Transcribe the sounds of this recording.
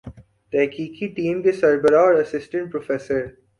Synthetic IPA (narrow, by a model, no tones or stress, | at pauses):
ʈɛːkʰiːkʰiʈĩːmɡ̪isɐɾbəɾaɔɾɐsɪsʈə̃ɳʈ̚pɾofeːsəɾ